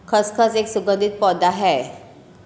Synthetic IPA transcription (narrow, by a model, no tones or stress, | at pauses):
kʰəskʰəseksuɡə̃nd̪ʱit̪̚pɔd̪aɦɛ